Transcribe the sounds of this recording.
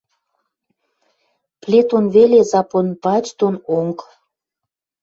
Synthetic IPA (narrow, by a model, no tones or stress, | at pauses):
plʲet̪onβelezɑponpɑt͡ɕt̪onoŋk